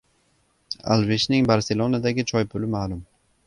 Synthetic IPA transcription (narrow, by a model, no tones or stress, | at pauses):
a̰lˠveʃnɪŋbaɾselˠonad̪aɡʲɪt͡ʃʰɒjpʰʊlɪmaːlʊm